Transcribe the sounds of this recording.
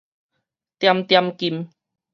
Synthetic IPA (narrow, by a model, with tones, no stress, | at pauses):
t̪ja˧mt̪ja˧mki˧˨m